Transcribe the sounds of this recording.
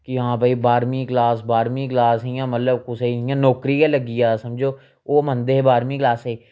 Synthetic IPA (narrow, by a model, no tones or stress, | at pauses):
kɪɦãːbaːiːbaːɾmĩːklaːsbaːɾmiːklaːsɦiːãːmət̪ləbkʊseɪjãːnɔːkɾiːaːləɡiːaːsəmd͡ʒoː | oːmənd̪eːeːbaːɾmiːklaːseː